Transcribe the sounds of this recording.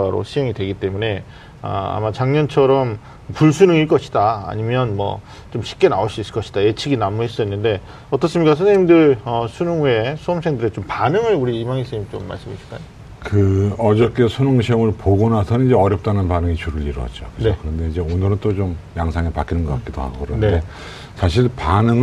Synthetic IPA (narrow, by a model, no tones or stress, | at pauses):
ɾo̰ɕʰieŋidwe̞ɡit͈e̞mune̞ | ʌ̰a̰mat͡ɕaŋɲʌnt͡ɕʰʌɾʌm | puɭsʰunɯŋiɭk͈ʌɕʰi̥d̥a̰ːɲimjʌnmʌ̰ | t͡ɕomɕʰi̥k̚k͈e̞naoɕ͈uis͈ɯ̥ɭkʌɕʰi̥d̥aje̞t͡ɕʰiɡinamuɦes͈ʌinːɯnde̞ | ʌt͈ʌs͈ɯmɲik͈asʰuneɲimdɯɭʌsʰunɯŋue̞sʰuʌmsʰeŋdɯɾet͡ɕompanɯŋɯɭuɾiimaŋis͈ɯɲimt͡ɕomːa̰ɭs͈ɯmiɕʰi̥k͈a̰jo | kɯʌd͡ʑʌk͈esʰunoŋɕʰiʌŋɯɭpoɡonasʰʌnid͡ʑe̞ʌɾjʌp̚t͈anɯnpanɯŋit͡ɕuɾɯʎiɾwʌ̰t̚t͡ɕ͈okɯokɯɾʌnde̞id͡ʑe̞onɯɾɯnt͈ot͡ɕomjaŋsʰaŋepakʰinɯnɡʌk͈a̰k͈idoha̰ɡokɯɾʌnde̞ | sʰaɕʰiɭpanɯŋɯ